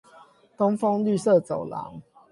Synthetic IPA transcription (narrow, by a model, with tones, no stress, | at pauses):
t̪o˦ŋfɔ˦ŋly˥˨sɤ˥˨t͡so˨˩ʊlɑ̰˨˦ŋ